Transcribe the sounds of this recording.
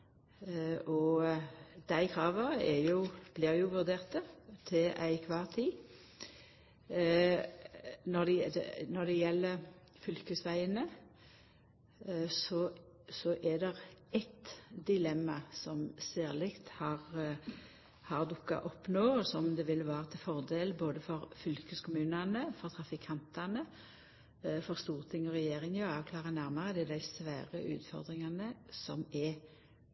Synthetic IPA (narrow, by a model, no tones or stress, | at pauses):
ʔɔ | d̪̥æɪkʰʁɑːʋəɛjʊb̥lɪːʁjʊʋʉʁd̪eːʁt̪ət̪ʰɪlʔæ̰ɪkʰʋɑːʁt̪ʰiː | nɔʁd̪ɛnɔʁd̪ɛjɛlːə | fʏlkəsʋæɪənə | sɔ | sɔʔɛd̪ɛʁɛt̪d̪ɪlɛmːɑsɔmsæːʁlɪkt̪hɑʁ | hɑʁd̪ɔkːɑ̰ʔɔpːnoːɔsɔmd̪ɛʋɪlʋæːʁət̪ʰɪfɔʁd̪eːlboːd̪əfɔɾfʏlkəskʰʊmʉːnɑnəfɔʁt̪ʰʁɑfɪkʰɑnt̪ɑnə | fɔʁst̪uːʁt̪ʰɪŋɔʁɛjeːʁɪŋɑːʋkʰlɑːʁənæɾmɑʁəd̪ɛd̪æɪsʋæːɾəʔʉ̰ːt̪fɔ̰ʁd̪ɾɪŋɑnəsɔ̰mɛ